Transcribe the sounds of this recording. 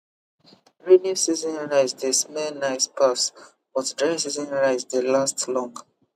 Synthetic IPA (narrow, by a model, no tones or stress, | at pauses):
ɹinusizɔ̃nɹaɪzdesmɛnaɪspʰas | bɔtdɹasizə̃nɹaɪzdelastlɔ̃ŋɡ